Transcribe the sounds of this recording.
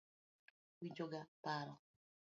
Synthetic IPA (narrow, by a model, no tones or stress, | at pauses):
wiɲd͡ʒoɡapaɾɔ